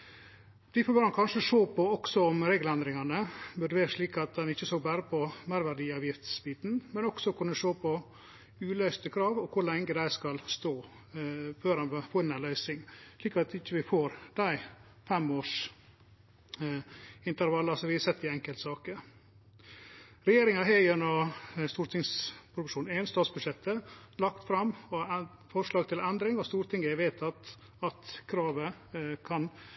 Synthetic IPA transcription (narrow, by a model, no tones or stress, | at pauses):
d̪̥ɪfɔbøɾɑnkʰɑnʂəʂoːpʰɔɔksɔɔmɾeːɡlɛnd̪ɾɪŋɑnəbʉd̪əʋeːɾəʂɭiːkɑt̪̚d̪ɛnɪçːəsoːɡbæːɾəpʰɔmæɪɾʋæɾɖiːɑːʋjɪft̪sbiːt̪nmɛnɔksɔkʰʉnːəʂoːpʰɔ | ʉːlœʏst̪əkʰɾɑːʋɔkʰʊɭɛŋɡəd̪æɪskɑlst̪oː | føːɾɑnfoːɾɛnænlœʏsɪŋʂɭiːkɑt̪ɪçːəʋɪfoːɾd̪̥æɪ | fɛmoːʂ | ɪnt̪əɾʋɑlːɑsɔʋɪːsɛt̪ːɪɛŋkəlt̪sɑːkə | ɾɛjeːɾɪŋɑɦeːjənɔst̪uːɾt̪ʰɪŋspʰɾʊʋɪʂuːnɛnst̪ɑːt̪sbʉʂɛt̪ʰːəlɑkt̪fɾɑmːɔfɔʂɭɑːɡ̚t̪ʰɪlɛnd̪ɾɪŋɔst̪uːɾt̪ʰɪŋːəɛʋeːt̪ʰɑt̪ | ɑt̪kʰɾɑːʋə | kʰɑn